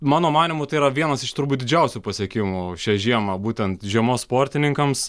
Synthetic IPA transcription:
mɑːnoːmɑːnʲɪmʊːt̪ɐɪiɾɐʋʲiɛnɐsɪʃt̪ʊɾbuːt̪̚ʲd̪ʲɪd͡ʒʲɛʊsʲuːpɐsʲiɛkʲɪmʊʃʲɛʒʲiɛmɐbuːt̪ʲɛnt̪ʒʲiɛmoːsspoːɾʲt̪ʲɪnʲɪŋkɐms

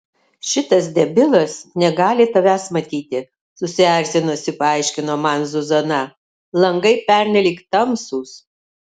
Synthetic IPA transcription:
ʃʲɪt̪ɐs̬d̪ʲɛbʲɪlˠɐsnʲɛɡɑːlʲɪt̪ɐʋʲæːsmɐt̪ʲiːt̪ʲɪ | sʊsʲɪæˑɾʲsʲɪnoːsʲɪpɐɑɪʃʲkʲɪnoːmɐnzʊzɐnɐ | lˠɐŋɡɐɪpʲɛɾʲnʲɛlʲiːkt̪ɐmsuːs

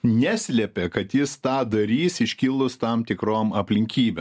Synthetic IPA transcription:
nʲæːsʲlʲɛpʲɛkɐt̪jɪst̪ɑːd̪ɐɾʲiːsɪʃʲkʲɪlˠʊst̪ɐmt̪ʲɪkɾoːmɐpʲlʲɪŋʲkʲiːbʲem

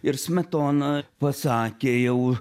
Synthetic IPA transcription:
ɪɾsʲmʲɛt̪oːnɐpɐsɑːkʲeːjɛʊ

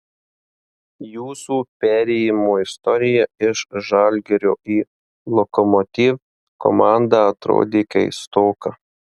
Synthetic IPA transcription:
juːsuːpʲæːɾʲɛjɪmoːɪst̪ɔɾʲɪjɛɪʃʒɐlʲɡʲɛɾʲoːiː | lˠɔkɔmɔt̪ʲiːʋ | kɔ̰mɑˑnd̪ɑɐt̪ɾo̰ːd̪ʲeːkɐ̰ɪst̪oːkɐ

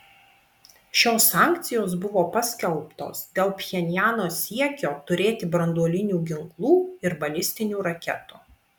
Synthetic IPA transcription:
ʃʲoːsːɑːˑŋʲk̚t̪sʲɪjoːs̬bʊʋoːpɐsʲkʲɛlˠpt̪o̰ːsd̪ʲeːlˠpʲjʲɛnʲjæːnoːsʲiɛkʲoːt̪ʊɾʲeːt̪ʲɪbɾɐnd̪uɔlʲɪnʲuːɡʲɪŋklˠuːɪɾbɐlʲɪsʲt̪ʲɪnʲuːɾɐkʲɛ̰t̪uː

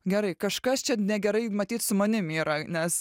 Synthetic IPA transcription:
ɡʲɛɾɐɪkɐʃkɐst͡ʃʲɛnʲɛɡʲɛɾɐɪmɐt̪ʲiːt̪sʊmɐnʲɪmiːɾɐnʲɛs

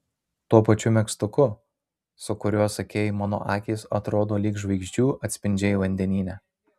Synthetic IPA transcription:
t̪uːpɐt͡ʃʲʊmʲɛkst̪ʊkʊ | sʊkʊɾʲuɔsɐkʲeːjmɑːno̰ːʔɑːkʲiːsɐt̪ɾoːd̪oːlʲiːkʒʋɐɪkʒʲd͡ʒʲuːʔɐt̪ʲsʲpʲɪnʲd͡ʒʲɛʋɐnʲd̪ʲɛnʲiːnʲɛ

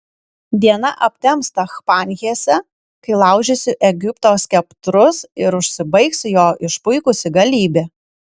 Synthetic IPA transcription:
d̪ʲiɛnɐʔɐpʲt̪ʲɛmst̪ɐxpɑːnʲɣʲesʲɛ | kɐɪlˠɑˑʊʒʲɛsʲɪʔɛɡʲɪpt̪oːskʲɛpt̪ɾʊsɪɾʊʃʲsʲɪbɐɪksʲjoːʔɪʃpʊɪkʊsʲɪɡɐlʲiːbʲeː

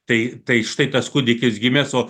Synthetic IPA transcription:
t̪ɐɪt̪ɐɪʃɪ̥t̪ɐɪt̪ɐsskʊd̪ʲɪkʲɪsɡʲɪmʲɛsoː

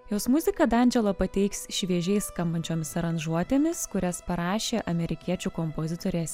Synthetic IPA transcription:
joːsmʊzʲɪkɐd̪ɐˑnʲd͡ʒʲɛlˠoːpɐt̪ʲɛɪksʃʲʋʲiɛʒʲɛɪskɐmbɐnʲt͡ʃʲoːmʲɪsɐɾɐnʒuɔt̪ʲeːmʲɪskʊɾʲɛspɐɾɑːʃʲeːʔɐmʲɛɾʲɪkʲiɛt͡ʃʲuːkompoːzʲɪt̪oːɾʲɛsʲ

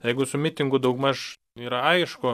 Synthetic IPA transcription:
jɛɪɡʊsʊmʲɪt̪ʲɪŋɡʊd̪ɐʊkmɐʃ | iːɾɐɐɪʃkʊ

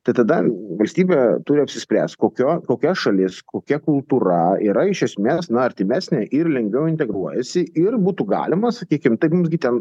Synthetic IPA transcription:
t̪ɐɪt̪ɐd̪ɐʋɐlʲsʲt̪ʲiːbʲeːt̪ʊɾʲɪɐpʲsʲɪsʲpʲɾʲæ̰ːsʲt̪koːkʲoːkoːkʲɛʃɐlʲɪskoːkʲɛkʊlˠt̪uːɾɐiːɾɐɪʃʲɛsʲmʲeːsnɐɐɾʲt̪ʲɪmʲæːsʲnʲeːʔɪrlʲɛŋʲɡʲʋʲɛʊɪnʲt̪ʲɛɡɾuɔjɛsʲɪʔɪrbuːt̪uɡɑ̰ːlʲɪmɐsɐkʲiːkʲɪmt̪ɐɪpmʊmsɡʲɪt̪ʲɛn

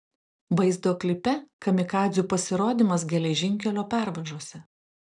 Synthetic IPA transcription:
bɐɪzd̪oːklʲɪpʲɛkɐmʲɪkɑːzʲuːpɐsʲɪɾoːd̪ʲɪmɐs̬ɡʲɛlʲɛʒʲɪŋʲkʲɛlʲoːpʲæˑɾʋɐʒoːsʲɛ

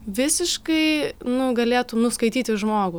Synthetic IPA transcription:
ʋʲɪsʲɪʃkɐɪnʊɡɐlʲeːt̪ʊnʊskɐɪt̪ʲiːt̪ʲɪʒmoːɡʊ

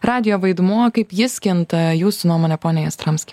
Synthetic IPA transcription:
ɾɑːd̪ʲɪjoːʋɐɪd̪muɔkɐɪpjɪsʲkʲɪnt̪ɐjuːsʊnuɔmoːnʲɛpoːnʲɛjɛst̪ɾɐmsʲkʲi

